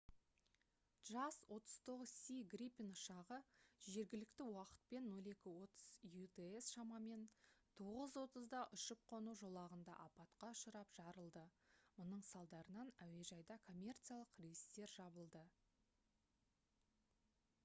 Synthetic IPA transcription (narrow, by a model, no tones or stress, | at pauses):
dʒ̥ɑswo̞t̪əz̥t̪ʰo̞ʁəzsʲiɡripʲinʊʃɑʁəʒe̞ɾɡʲɪlɪkt̪ɪwɑqə̥t̪̚pe̞nːo̞lˠe̞kʲɪwo̞t̪əz̥jut̪eesʃɑmɑme̞nt̪ʰo̞ʁəzwo̞t̪əzd̪ɑʔʏʃəp̚qʰo̞nuʒo̞lˠɑʁənd̪ɑ̰ʔɑpɑt̪qɑʊʃəɾɑpʒ̥ɑɾəlˠd̪əmʊnəɴsɑlˠd̪ɑɾənɑnæwe̞ʒɑjd̪ɑkʰo̞mʲːe̞rt̪sijalˠəqrejist̪e̞ɾʒɑbəlˠd̪ə